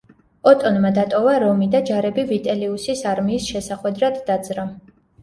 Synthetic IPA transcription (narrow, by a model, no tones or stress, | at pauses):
ɔt̪ʼɔnmad̪at̪ʼɔvaɾɔmid̪ad͡ʒaɾɛbivit̪ʼɛliusisaɾmiːsʃɛsaχwɛd̪ɾad̪ːad̪zɾa